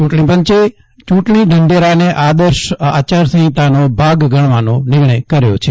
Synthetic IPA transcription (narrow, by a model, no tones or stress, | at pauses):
t͡ʃũʈɳĩpəɲt͡ʃe | t͡ʃũʈɳiɖʱəɳɖeɾaneʔad̪əɾʃa̰ːt͡ʃaɾsə̃ɦĩt̪anobʱaɡɡʱəɽ̃ʋanõnɪɾɳ̃əjkəɾjot͡ʃʰe